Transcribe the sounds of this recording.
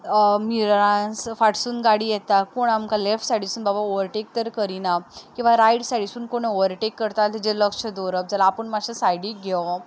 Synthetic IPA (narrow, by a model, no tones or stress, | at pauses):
miɾãsfaʈsuːnɡaɽijɛt̪akoɳamkalefʈsaʈɽisuːnbabaoʋəɾʈek̚t̪əɾkəɾinakĩw̃ʋaɾajɽsaɽisuːnkoɳ̃eoʋəɾʈekːəɾt̪alt̪id͡ʑeləkʂəd̪oɾəp̚d͡zalaːpəɳmaɕəsajɽiɡʱɛw